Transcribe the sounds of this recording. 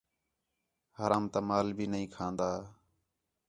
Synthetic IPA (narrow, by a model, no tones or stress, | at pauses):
həɾaːmt̪aːmaːlbʱiːnəɦĩːkʰãːnd̪aː